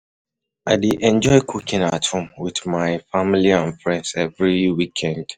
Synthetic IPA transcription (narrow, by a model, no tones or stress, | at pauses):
ʔaɪdiʔɛ̃nd͡ʒɔɪkʰukĩnatʰũmwiðmaɪfamiliãnfɹɛ̃ndzɛvɹiwikʰɛ̃nd̥